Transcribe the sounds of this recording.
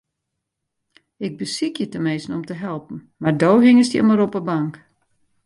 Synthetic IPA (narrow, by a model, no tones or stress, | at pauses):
ɪɡ̚bəsikjətəmeːsn̩ɔmtəɦɛlˠpn̩ | mardoːɦɪŋəstjə̰məɾɔpəbaŋk